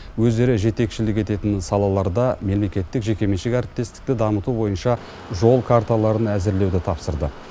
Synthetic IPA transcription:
wɵzd̪e̞ɾɪʒe̞t̪e̞kʃɪlɪk̬ʲe̞t̪e̞t̪ɪnsɑlˠɑlˠɑɾd̪ɑme̞lmekʲe̞t̪ːɪkʒe̞kʲe̞meʃekʲæɾɪp̚t̪e̞st̪ɪ̥k̚t̪ɪd̪ɑmət̪ubo̞jənʃɑ | ʒo̞lˠkʰaɾt̪alˠɑɾənæzɪɾle̞wd̪ɪt̪ʰɑpsəɾd̪ə

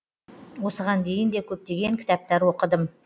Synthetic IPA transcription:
wo̞səʁɑnd̪e̞jɪnd̪ekʲʰɵp̚t̪e̞ɡʲe̞ŋkʲʰɪ̥t̪ɑp̚t̪ɑɾwo̞qəd̪əm

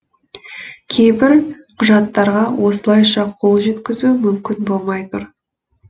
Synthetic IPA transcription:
kʲʰejbɪɾ | qʰʊʒɑt̪ːɑɾʁɑwo̞səlˠɑjʃɑqʰo̞lˠʒe̞t̪kʲɪzumʏmkʲɪnbo̞lˠmɑjt̪ʊɾ

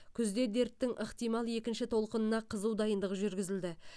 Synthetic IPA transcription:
kʲʰʏzd̪e̞d̪e̞ɾt̪ːɪŋʔəqt̪ijmɑlˠje̞kʲɪnʃɪt̪ʰo̞lˠqənənɑqʰəzuwd̪ɑjənd̪əʁəʒʏɾɡʲɪzɪld̪ɪ

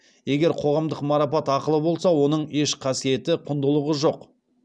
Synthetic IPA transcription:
je̞ɡʲe̞ɾqʰo̞ʁɑmd̪əqmɑɾɑpɑt̪ɑqəlˠəbo̞lˠsɑwo̞n̪əɴe̞ʃqʰɑsije̞t̪ɪqʰʊnd̪əlˠəʁəʒo̞q

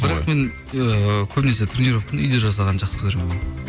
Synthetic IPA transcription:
bɪɾɑqme̞n | əkʲʰɵpnese̞t̪ʰʏɾneɾofkʲʰɪnʏjd̪eʒɑs̬ɑʁɑnʒɑqsəkʲʰɵɾemeen

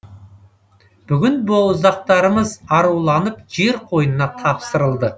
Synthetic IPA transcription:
b̥ʏɡʲɪnbowˠʊzɑq̚t̪ɑɾəməzɑɾuwlˠɑnəpʒe̞ɾqʰo̞jənənɑt̪ʰɑpsəɾəlˠd̪ə

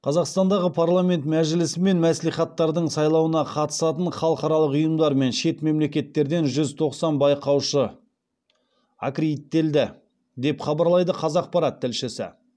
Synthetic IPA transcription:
qʰɑzɑqst̪ɑnd̪ɑʁəpʰaɾlˠamʲe̞nt̪mæʒɪlɪsɪme̞nmæslejχɑt̪ːɑɾd̪əɴsɑjlˠɑwənɑqʰɑt̪ə̥sɑt̪əɴχɑlˠəqɑɾɑlˠəqʊjəmd̪ɑɾme̞nʃe̞t̪me̞mle̞kʲe̞t̪ːe̞ɾd̪e̞nʒʏzt̪ʰo̞qsɑnbɑjqɑwʃə | a̰kɾit̪ːe̞ld̪ɪ | d̪e̞pχɑbɑɾlˠɑjd̪əqʰɑzɑq̚pɑɾɑt̪ʰːɪlʃɪsɪ̰

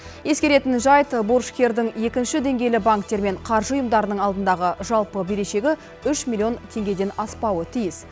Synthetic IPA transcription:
je̞skʲe̞ɾe̞t̪ɪnʒɑjt̪borʃkʲʰe̞ɾd̪ɪŋje̞kʲɪnʃɪd̪e̞ŋɡʲe̞jlɪbaŋkt̪e̞ɾme̞ɴqʰɑɾʒəʊjəmd̪ɑɾənəɴɑlˠd̪ənd̪ɑʁəʒɑlˠpəbe̞ɾe̞ʃe̞ɡʲɪ | ʏʃmʲilʲːio̞nt̪ʰe̞ŋɡʲe̞d̪e̞nɑspɑwət̪ʰijɪs

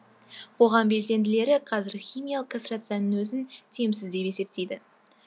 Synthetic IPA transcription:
qʰo̞ʁɑmbe̞lse̞nd̪ɪle̞ɾɪqʰɑzɪɾxʲijmijalˠəqkʰast̪rat̪sɨjanənwɵzɪnt̪ʰe̞msɪzd̪e̞pe̞se̞p̚t̪e̞jd̪ɪ

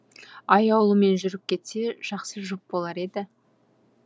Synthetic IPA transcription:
ɑjɑwlˠəme̞nʒʏɾɪp̚kʲʰe̞t̪se̞ʒ̥ɑqsəʒop̚bo̞lˠɑɾe̞d̪ɪ

